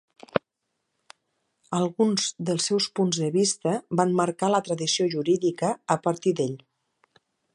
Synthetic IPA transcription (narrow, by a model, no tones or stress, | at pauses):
əlˠɣunzðəlˠsːɛwspunzðəβist̪əbanməɾkalət̪ɾəðisioʒuɾiðikəːpəɾt̪iðeʎ